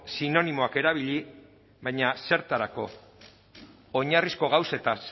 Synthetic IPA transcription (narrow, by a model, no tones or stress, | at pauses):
sino̞nimo̞ake̞ɾaβiʎi | βajɲase̞ɾt̪aɾako̞ | ɲarisko̞ɣawse̞t̪as